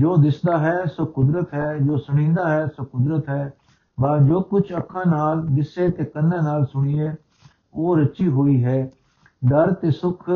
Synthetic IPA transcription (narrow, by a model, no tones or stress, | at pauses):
d͡ʒoːd̪ɪsd̪aːɦɛːsokʊd̪ɾət̪ɦɛːd͡ʒoːsʊɽ̃ĩːnd̪aːɦɛːsokʊd̪ɾət̪ɦɛː | baːd͡ʒoːkʊt͡ʃʰəkʰːãːnaːld̪ɪseːt̪eːkənːãːnaːlsʊɽ̃iːeː | oːɾət͡ʃiːɦoːiːɦɛː | d̪əɾt̪eːsʊkʰ